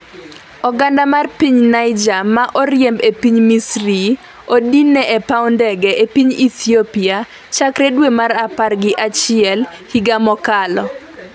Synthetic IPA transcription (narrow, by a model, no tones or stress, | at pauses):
ɔɡandamarpiɲnajd͡ʒamaʔɔrjɛmbepiɲmisɾi | odinɛʔɛpaʊndɛɡɛepiɲit̪iopia | t͡ʃakɾedwemaɾaparɡɪʔat͡ʃɪɛlhiɡamɔkalɔ